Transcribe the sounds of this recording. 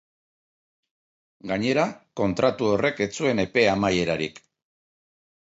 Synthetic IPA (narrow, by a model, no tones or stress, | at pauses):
ɡaɲe̞ɾako̞nt̪ɾat̪uo̞re̞ke̞t͡sue̞ne̞pe̞amaje̞ɾaɾḭk